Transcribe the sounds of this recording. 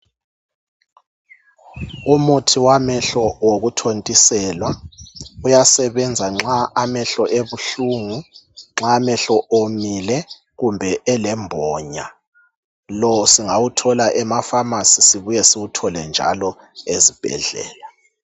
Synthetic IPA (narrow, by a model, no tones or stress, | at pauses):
umutʰiwamɛɬɔwoɣutʰontʼisɛlwa | ujasɛβɛnd͡zʱaŋ͡ǁaamɛɬɔʔeβuɬuŋu | ŋ͡ǁaːmɛɬɔʔomilɛ | ɣumbʱɛʔɛlɛmbʱɔːɲa | lɔsiŋawutʰɔlaʔɛmafamasisiβujɛsiwutʰɔlɛnd͡ʒʱa̰lɔ | ezib̥ʱɛ̰ɮɛ̰ːla